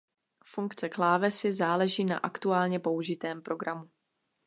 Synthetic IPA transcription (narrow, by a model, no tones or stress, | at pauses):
fuŋkt͡sɛklaːvɛsɪzaːlɛʒiːna̰ʔakt̪uaːlɲɛpo̞uʒɪt̪ɛːmpɾo̞ɡɾamu